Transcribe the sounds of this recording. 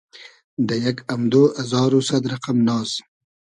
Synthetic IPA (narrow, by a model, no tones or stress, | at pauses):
d̪əjaɡamd̪oːʔazɑːɾosad̪ɾaqamnɑːs